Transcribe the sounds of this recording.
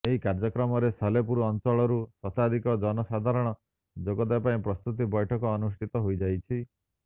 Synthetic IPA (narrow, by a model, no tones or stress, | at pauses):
eɦikaɾd͡ʒɔkɾɔmɔɾesalepuɾuɔnt͡ʃɔɭɔɾusɔt̪ad̪ʱikɔd͡ʒɔnɔsad̪ʱaɾɔɽ̃ɔ | d͡ʒoɡɔd̪apaĩpɾɔst̪ut̪̬ibɔjʈʰɔkɔːnusʈʰit̪ɔɦojd͡ʒajt͡ʃʰi